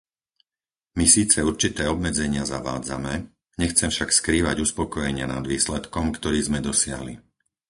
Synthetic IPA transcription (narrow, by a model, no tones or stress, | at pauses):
misiːt͡sɛuɾt͡ʃit̪ɛːɔbmɛd͡zɛɲɪazaʋa̰ːd͡zamɛ | ɲɛxt͡sɛmfʃakskɾiːʋa̰ɟuspɔkɔjɛɲɪana̰d̪ʋiːslɛt̪kɔmkt̪ɔɾiːzmɛd̪ɔsɪa̰ɦlḭ